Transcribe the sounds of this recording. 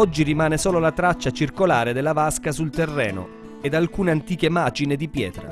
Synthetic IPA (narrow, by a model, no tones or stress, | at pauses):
ɔd͡ʒːirimaːnesoːlolat̪ɾat͡ʃːat͡ʃirkolaːɾed̪elːavaskasult̪erːɛːno̰ | ed̪alkuːneant̪iːk̟emaːd͡ʒined̪ipjɛ̰ːt̪ɾa̰